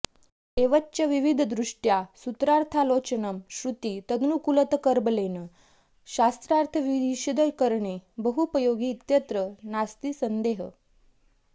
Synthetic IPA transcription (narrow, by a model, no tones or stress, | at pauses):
eʋətːt͡ɕaʋiʋid̪ʱd̪ɾuʂʈjasut̪ɾaɾt̪ʰalot͡ɕənəmɕɾut̪it̪əd̪ʱnukulət̪kəɾbəlenə | ɕast̪ɾaɾt̪ʰəʋid̪iɕid̪əjkəɾɳebəɦupəjoɡiːt̪jət̪ɾənast̪iːsənd̪eɦə